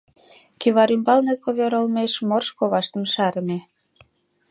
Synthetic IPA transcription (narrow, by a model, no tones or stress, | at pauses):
kyβɑɾymbɑlnet̪̚koβøɾəlmeʃmorʃkoβɑʃt̪ə̆mʃɑɾə̆me